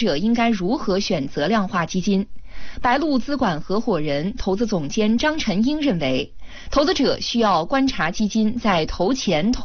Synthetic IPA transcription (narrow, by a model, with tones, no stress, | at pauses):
ʈ͡ʂɤ˨˩i˥ŋka˥ɪɻu˧˥xɤ˧˥ɕɥɛ˨˩nt͡sɤ˧˥ljɑ˥˧ŋxwa˥˩t͡ɕi˥t͡ɕi˥npa˧˥ɪlu˥˧t͡sɹ̩˥kwa˨˩nxɤ˧˥xwɔ˨˩ɻə˧˥nt̪ʰo˧˥ʊt͡sɹ̩˧˥t͡sʊ˨˩ŋt͡ɕjɛ˥nʈ͡ʂɑ˥ŋʈ͡ʂʰə˧˥ŋi˥ŋɻə˥˩nwe˧˥ɪ | t̪ʰo˧˥ʊt͡sɹ̩˧˥ʈ͡ʂɤ˨˩ɕy˥jɑ˥˩ʊkwa˥nʈ͡ʂʰa˧˥t͡ɕi˥t͡ɕi˥nt͡sa˥˩ɪt̪ʰo˧˥ʊt͡ɕʰjɛ˧˥nt̪ʰ